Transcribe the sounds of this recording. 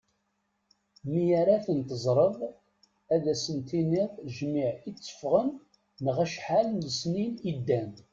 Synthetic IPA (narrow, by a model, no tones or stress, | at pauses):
mijaɾaθənt̪əzˤɾˤəðˤ | æðæsənt̪inɪðˤʒmiʕit͡sːə̥fʁənː | əʁæʃħalnləsninid̪ːæn